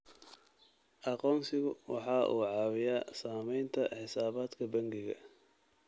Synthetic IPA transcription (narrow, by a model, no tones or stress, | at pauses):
ʔɑqɔːnsɪɣʊwɑħɑːʔuːʕɑːwɪjaːsaːmɛjnt̪ʰɐħɪsaːβaːd̪kʰɐbɐŋɡɪɣɐ̰